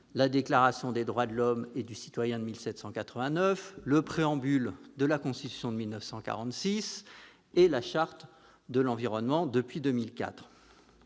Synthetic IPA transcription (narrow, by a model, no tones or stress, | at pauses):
lad̪eklaʁasjɔ̃d̪ed̪ʁwad̪əlɔmed̪ysi̥t̪wajɛ̃d̪əmilsɛt̪sɑ̃kat̪χəvɛ̃nœfləpχeɑ̃byld̪əlakɔ̃st̪it̪y̥sjɔ̃d̪əmilnəfsɑ̃ka̰ʁɑ̃t̪sis | elaʃaʁt̪ | d̪əlɑ̃viʁɔnmɑ̃d̪əpɥid̪ømilka̰t̪χ